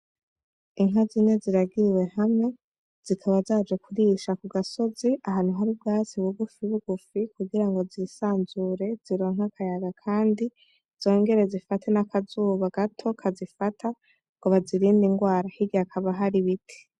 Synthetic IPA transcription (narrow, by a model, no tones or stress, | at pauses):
iŋɦazine̞ziɾaɡiɾiwe̞hamŋe̞ | z̥ikʰaβazaːd͡ʒekʰuɾiːʃakuɡaso̞ziaɦanuɦaɾibɡaːziwuɡufiβuɡufikuɡiɾaŋɡo̞ziɾisaːnzuɾe̞z̥iɾo̞ŋ̥hakʰajaɡakʰaːndi | z̥o̞ːŋɡe̞ɾe̞zifatʰe̞nakʰazuːβaɡ̥atʰo̞kʰazifatʰa | ŋɡoβaziɾiːndiŋɡwaːɾahiɡiakʰaβaɦaɾiβitʰi̥